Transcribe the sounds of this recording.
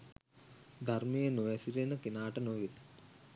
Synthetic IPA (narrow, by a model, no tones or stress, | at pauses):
d̪ʱarmijenuʋɛsiɾenəkinaːʈənoʋit̪